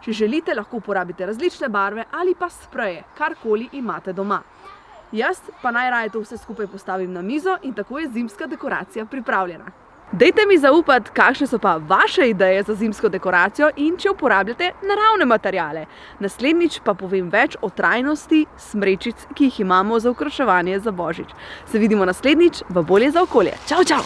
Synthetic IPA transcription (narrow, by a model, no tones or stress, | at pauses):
t͡ʃɛʒɛliːt̪ɛlaxkoupɔɾaːbit̪ɛɾazlit͡ʃnɛbaːɾʋɛʔalipaspɾɛjɛkaɾkoːliʔimaːt̪ɛd̪ɔma | jəspanajɾaːjɛt̪owsɛskupajpɔst̪aːʋimnamiːzɔʔint̪akoːjɛzimskad̪ɛkɔɾa̰ːt̪sijapɾipɾaːwljɛna̰ | d̪ɛjt̪ɛmizauːpat̪kaːkʃnɛsɔpaʋaʃɛid̪ɛjɛzazimskɔd̪ɛkɔɾaːt̪sijɔʔint͡ʃɛupɔɾaːblʲjat̪ɛnaɾawnɛmat̪ɛɾjaːlɛ | nasleːd̪nit͡ʃpapɔʋemʋɛt͡ʃɔt̪ɾʔajnɔst̪i | smɾeːt͡ʃit̪skiiximaːmɔzaukɾɔʃɛʋaːnjɛzabɔːʒit͡ʃsɛʋiːd̪imɔnasleːd̪nit͡ʃʋɐboːljɛzaɔkoːljɛ̰t͡ʃaːwt͡ʃaw